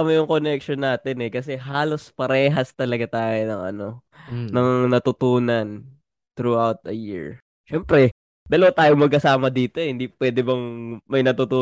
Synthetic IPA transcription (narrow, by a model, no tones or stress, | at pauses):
mɐjʊŋkonɛkʃonːaːt̪ɛnɛkɐs̬ɛɦaːlospɐɾɛːɦɐst̪ɐlɐɡat̪aːjonɐŋʔɐ̰no̞ | nɐŋnɐt̪ʊt̪uːnɐn | t̪ɾuʔawt̪̚ɐjḭɹ | ʃɛmpɾɛ | d̪ɐlɐwat̪aːjoŋmɐɡkɐsaːmɐd̪iːt̪ohɪnd̪ipwɛd̪ɛbɐŋmɐjnɐt̪ut̪uː